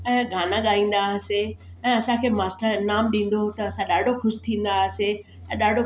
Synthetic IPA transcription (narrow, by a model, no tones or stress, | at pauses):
ɛ̃ːɡʱaːnãɠaːĩːn̆d̪aːɦse | ɛ̃ːɐsãkʰeːmaːsʈəɾnaːmɗĩːn̆d̪ot̪ɐɐsãɗaːɖʱoxʊʃɪ̥t̪ʰĩːn̆d̪aɦɪse | ɛ̃ːɗaːɖʱo